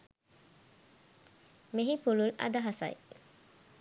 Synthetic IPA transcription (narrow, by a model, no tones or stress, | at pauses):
miɦipululʔɐ̰d̪ɐɦɐsɐ̰j